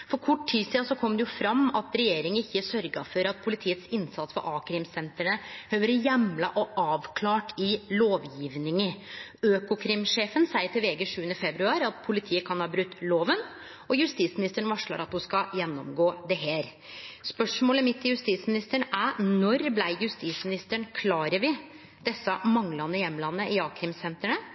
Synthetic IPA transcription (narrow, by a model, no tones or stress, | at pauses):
fɔɾkʰɔʈʰːiːsiːɑsɔkʰɔmd̪ɛjʊfɾɑmːɑt̪ɾɛjeːɾɪŋənɪçːəsœɾɡɑ̰fɔɾɑt̪̚pʰʊlɪt̪ʰiːət̪sɪnsɑt̪sfɔ̰ɾʔɑːkʰɾɪmsɛnt̪əɳəhøːʋəɾjɛmlɑʔɔʔɑːʋkʰlɑːʈɪloːʋjiːʋnɪŋəøːkʊkʰɾɪmʂeːfənsæɪəɾʈ̪ʰɛʋɛːɡəʂʉːənəfɛbɾʉɑːɾɑt̪pʰʊlɪt̪ʰiːəkʰɑnhɑːbɾʉt̪ːloːʋən | ɔjʉst̪iːt̪smɪnɪst̪əɳʋɑʂɭɑ̰ɾɑt̪hʊskɑjɛnːɔmɡoːd̪ɛɦeːɾ | spœʂmoːləmɪt̪ːɪjʉst̪iːt̪smɪnɪst̪əɳʔænɔɾblæɪjʉst̪iːsmɪnɪst̪əɳkʰlɑːɾəɾʋɪ | d̪ɛsːɑmɑŋlɑnːəjɛmːlɑnːəʔɪɑːkʰɾɪmsɛnt̪əɳə